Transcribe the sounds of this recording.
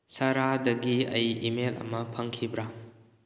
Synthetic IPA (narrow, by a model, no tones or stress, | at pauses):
sɐɾadɐɡiɐ̰jimelɐ̰mɐpʰɐŋkʰibɾa